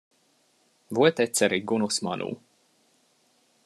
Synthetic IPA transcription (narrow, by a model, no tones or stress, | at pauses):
vuɔt̪ɛt̪sɛɾiɡunusma̰nʔṵː